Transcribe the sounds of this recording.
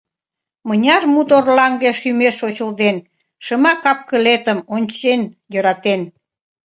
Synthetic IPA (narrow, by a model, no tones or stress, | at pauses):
mənʲɑrmut̪orlɑŋɡeʃymeʃot͡ɕəld̪en | ʃəmɑkɑp̚kəlet̪əmonʲt͡ɕenjøɾɑt̪en